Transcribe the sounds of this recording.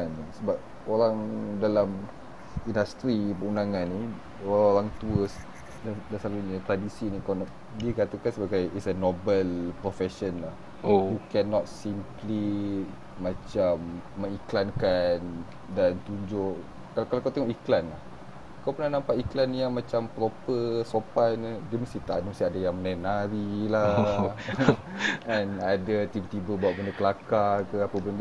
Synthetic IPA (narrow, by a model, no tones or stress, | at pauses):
nsəbap̚ | oɾaŋdalam | indast̪ɾipəundaŋanːi | oɾaoɾaŋt̪uəs | dadasaluɲət̪ɾadisinikawnaʔ | diəkat̪əkansəbaɡajisənobəlpɾofɛʃənlah | ojukɛnɔt̪̚simpli | mat͡ʃamːə̃ŋiklankan | dant̪uɲd͡ʒʊʔ | kalkalakawt̪eŋɔʔiklanlah | kawpənahnãmpaʔiklanijaŋmãt͡ʃampɾopəsopanədəməst̪it̪a̰ʔdəməst̪iadajaŋmənajnaɾila | ɛnadat̪ibət̪ibəbaat̪̚bəndəkəlakakəapəbənd